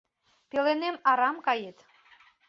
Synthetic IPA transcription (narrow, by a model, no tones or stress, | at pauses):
pelenemɑɾɑmkɑjet̪